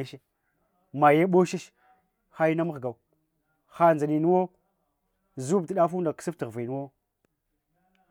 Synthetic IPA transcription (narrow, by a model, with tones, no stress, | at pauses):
e˦ʃe˦ | ma˨je˦ɓo˦ʃi˦ʃ | xa˦ji˦na˦ma˦ɣɡa˨u˨ | xa˦nd͡za˨ni˨nu˦wo˦ | zu˦b̚ti˨ɗa˦fu˦n˦da˨ksi˦ftə˨ɣvi˨nu˦wo˦